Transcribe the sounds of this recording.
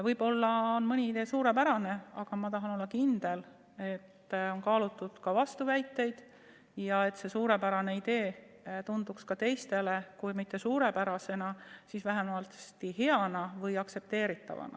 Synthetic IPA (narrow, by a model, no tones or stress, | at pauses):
vɤjb̥o̞lːɑonmɯnʲiid̪e̞ːsuːɾe̞pæɾɑne̞ɑɡ̥ɑmɑt̪ɑɦɑno̞lːɑkind̪̥e̞l | e̞t̪ːo̞nkɑːlut̪ːˑud̪̥kɑvɑst̪uvæjt̪ːˑe̞jd̪̥ | jɑe̞t̪ːse̞suːɾe̞pæɾɑne̞id̪e̞ː | t̪und̪̥ukskɑt̪e̞jst̪e̞le̞kujmit̪ːe̞suːɾe̞pæɾɑse̞nɑsisvæɦemɑlst̪ihe̞ɑnɑvɤjɑkse̞p̚t̪e̞ːɾit̪ːˑɑ̰vɑ̰nɑ̰